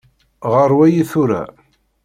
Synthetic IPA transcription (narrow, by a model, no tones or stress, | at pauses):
ʁəɾˤwæjiθuɾa̰